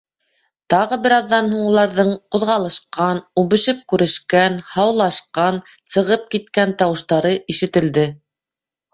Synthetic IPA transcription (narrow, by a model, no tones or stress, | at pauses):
t̪ɑʁɤbɘ̆ɾɑðːɑnhuɴulˠɑɾðɤɴqŏðʁɑlˠɤ̆ʃqɑnuβɘ̆ʃɘp̚kʉɾɘ̆ʃkænhɑwlˠɑʃqɑn | sɤ̆ʁɤp̚kit̪̚kænt̪ɑwɤ̆ʃt̪ɑɾɤʔiʃɘ̆t̪ɘ̆ld̪ɘ